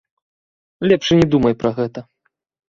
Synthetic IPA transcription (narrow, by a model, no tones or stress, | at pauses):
lʲɛpʂɨnʲɛd̪umɐjpɾʔɐɣɛt̪ɐ